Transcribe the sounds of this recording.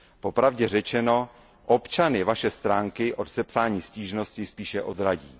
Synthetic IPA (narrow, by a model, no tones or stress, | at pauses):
po̞pɾavɟɛrɛt͡ʃɛno̞ | ʔo̞pt͡ʃanɪvaʃɛst̪ɾaːŋkɪʔo̞t̪sɛpsaːɲiːsciːʒno̞scɪspiːʃɛʔo̞d̪ɾaɟiː